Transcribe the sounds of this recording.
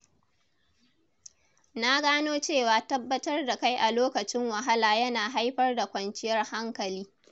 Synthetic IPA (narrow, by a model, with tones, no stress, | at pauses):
na˦ɡaː˦noː˦t͡ʃeː˦˨waː˨tɐ˦bːɐ˦tɐ˦rda˨ka˦jʔa˨loː˦kɐ˨t͡ʃɪ˦ŋwɐ˨ɦa˦laː˨jɐ˦naː˨ɦa˦jɸɐ˦rda˨kʷɐ˨nt͡ʃɪ˦jɐ˦rha˦ŋkɐ˨liː˦